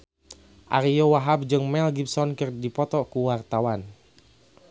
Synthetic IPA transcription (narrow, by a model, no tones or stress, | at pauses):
ʔaɾijowaɦab̚d͡ʒɨŋmɛlɡib̚sɔnkɨrdipɔt̪ɔkuwart̪awan